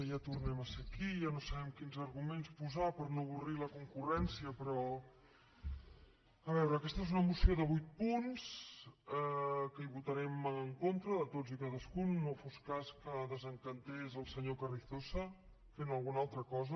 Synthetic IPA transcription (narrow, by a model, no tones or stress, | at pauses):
jat̪urnɛməsəkiʒanosəβɛmkinzəɾɣumenspuzapəɾnoβuriləkuŋkurɛnsiəpɾɔ | əβɛwɾəːkɛst̪əezunəmusioðəβujt̪̚punsɛkəiβut̪əɾɛməŋkont̪ɾəðət̪ozikaðəskunːofoskaskəðəzəŋkənt̪ezəlˠsəɲokərist̪osə | fenəlˠɣunalˠt̪ɾəkɔzə